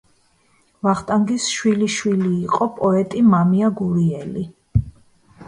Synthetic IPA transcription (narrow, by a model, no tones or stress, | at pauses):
vaχt̪ʼaŋɡisʃwiliʃwiliːqʼɔpʼɔɛt̪ʼimamiaɡuɾiɛli